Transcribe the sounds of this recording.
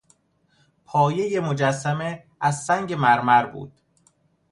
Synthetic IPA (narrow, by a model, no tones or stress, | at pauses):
pʰɒːje̞jemod͡ʒæsːæme | æzːæŋɟe̞mæɾmæɾbṵːd̪̥